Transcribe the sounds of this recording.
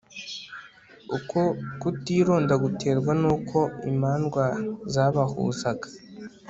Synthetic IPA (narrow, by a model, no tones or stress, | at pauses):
ukokutiːɾo̞ːndaɡutʰe̞ːɾɡwanuːkʰo̞ḭmaːnɡwazaβahṵzaɡḁ